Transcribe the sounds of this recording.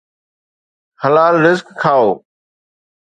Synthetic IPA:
həlaːlɾɪzkkʰːaːoː

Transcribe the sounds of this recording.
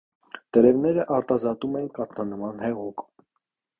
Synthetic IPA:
t̪əɾɛvnɛɾəʔɑɾt̪ɑzɑt̪umɛjinkɑt̪ʰnɑnəmɑnhɛʁuk

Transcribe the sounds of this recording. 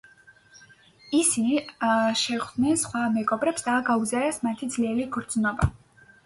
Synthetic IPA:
isi | ʃɛʁd̪nɛnsχwamɛɡɔbɾɛpsd̪aːɡauzaɾɛsmat̪ʰid̪zliɛliɡɾd̪znɔba

